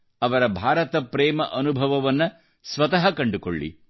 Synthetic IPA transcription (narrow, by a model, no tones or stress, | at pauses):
ɐʋɐɾɐbʱaːɾɐt̪ɐpɾɛːmɐʔɐnubʱɐʋɐʋɐnːɐ | sʋɐt̪ɐɦɐkɐɳɖuko̰ɭːḭ